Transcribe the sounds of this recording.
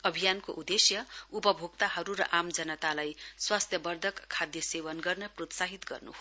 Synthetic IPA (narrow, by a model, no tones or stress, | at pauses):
ʌbʱijankoʔud̪esjʌupʌbʱoɡ̚t̪aɦʌɾuɾʌ̰ʔamd͡zʌnʌt̪alajswast̪ʰjʌbʌrd̪ʱʌkʰːad̪jʌsewʌnɡʌrnʌprot̪saɦit̪ɡʌ̰rnṵɦo